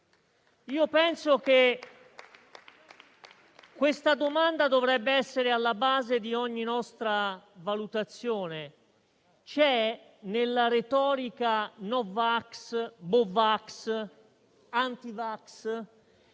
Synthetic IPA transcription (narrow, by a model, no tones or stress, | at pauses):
iːopɛnsok̟e | kːwest̪ad̪omand̪ad̪ovɾɛbːeɛsːeɾealːabaːzed̪iɔɲːinɔst̪ɾavalut̪at̪sːjoːne | t͡ʃɛ | nelːaɾet̪ɔːɾikanɔvaksbovaks | ant̪ivaks